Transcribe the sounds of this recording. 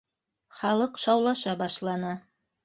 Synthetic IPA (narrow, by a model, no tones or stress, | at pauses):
χɑlˠɤqʃɑwlˠɑʃɑbɑʃlˠɑnɤ